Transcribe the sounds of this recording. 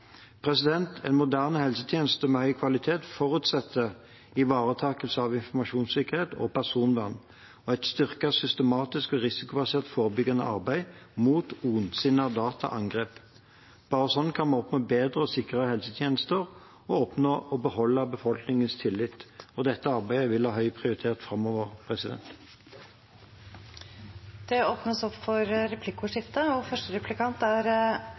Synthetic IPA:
pʰʁɛsɪd̪ɛnt̪ʰɛɪnmʊd̪æʁnəhɛlsət̪ʰjeːnəst̪əmɛhœʏkʰʋɑlɪt̪ʰeːt̪fɔʁʉt̪sɛt̪ʰːə | ɪʋɑːʁət̪ʰɑːkəlsəɑʋɪnfɔʁmɑʃuːnsɪkəʁeːt̪ɔ̰pʰæʁsuːnʋɑnː | ɔɛt̪st̪ʏʁkɑsʏst̪əmɑːt̪ɪskɔʁɪsɪkʊbɑseːʁt̪foːʁəbʏɡɑnə̰ʔɑ̰ʁbæɪmuːt̪uːnsɪnɑd̪ɑːt̪ʰɑ̰ʔɑŋɡʁeːp | b̥ɑːʁəsɔnːkʰɑnmɑnɔpnoːbeːd̪ʁəɔsɪkəʁəhɛlsət̪ʰjeːnəst̪əʁ | ɔɔpnoːʔɔbəhɔlːəbəfɔlknɪŋənst̪ʰɪlːɪt̪ɔd̪ɛt̪ːəɑʁbæɪəʋɪlhɑːɦhœʏpʰʁɪʊʁɪt̪ʰeːʁt̪fʁɑmɔʋəʁpʰʁɛsɪd̪ɛ̰nt̪ | d̪̥ɛoːpnəsɔpːfɔɾɾɛpʰlɪkʊʂɪft̪əɔfœʂʈəɾɛplɪkʰɑnt̪æɾ

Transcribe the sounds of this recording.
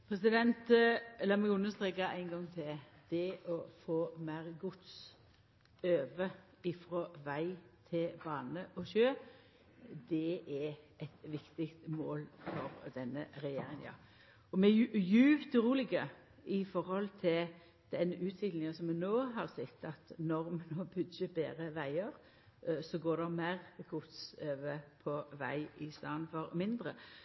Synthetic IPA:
pʰɾɛsɪd̪ɛnt̪lɑːmɛɡʉnːəst̪ɾeːkɑæɪnɡɑŋt̪ʰɪl | d̪̥ɛʔɔfoːmæɪɾɡʊt̪s | øːʋə | ɪfɾɔʋæɪt̪ʰɪlbɑːnəʔɔʃøː | d̪ɛʔæ | ɛt̪ʋɪkt̪ɪkt̪moːlfɔɾd̪ɛnːəɾɛjḛːɾɪŋjɑ̰ | ɔmɛjʉːpt̪ɾuːlɪɡə | ɪfɔɾhɔlt̪ʰɪl | d̪̥ɛnʉːt̪ʰʋɪnɪŋəsɔmːɛnoːɦɑʁsɛt̪ːɑt̪nɔɾmɛnoːbʉdəbeːɾəʋæɪəɾ | sɔɡoːdɛmæːʁɡʊt̪søːʋəpʰɔʋæ̰ɪɪst̪ɑːnfɔɾmɪnd̪ɾə

